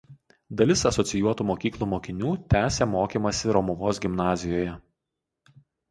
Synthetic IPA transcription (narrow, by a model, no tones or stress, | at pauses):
d̪ɐlʲɪsɐsɔt̪sʲɪjuɔt̪uːmoːkʲiːklˠuːmoːkʲɪnʲuːt̪ʲæːsʲemoːkʲemɐsʲɪɾɔmʊʋoːsɡʲɪmnɑːzʲɪjoːjɛ